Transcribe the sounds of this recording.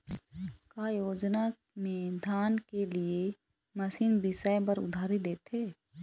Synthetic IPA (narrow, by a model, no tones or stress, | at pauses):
kaːjoːd͡ʒna | mẽd̪ʱaːnkelie | mɐsiːnbɪsajbəɾʊ̰d̪ʱaːɾid̪eːt̪ɦeː